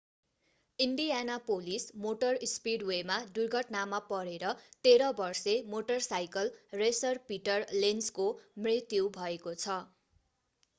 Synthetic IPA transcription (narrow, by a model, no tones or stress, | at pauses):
iɳɖijanapolismoʈʌrspiɽwemad̪urɡʱʌʈnamapʌɽeɾʌt̪eɾʌbʌrsemoʈʌrsajkʌlresʌrpiʈʌrlenskomrit̪juwbʱʌekot͡sʰʌ